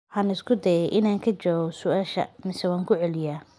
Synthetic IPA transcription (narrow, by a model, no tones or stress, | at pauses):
ħɑːnɪskʰʊd̪ɐjɛjʔɪnaːŋkʰɐt͡ʃɔːɣɔsʊʔaːʃɐ̰mɪsɛwaːŋkʰʊʕɛlɪjaː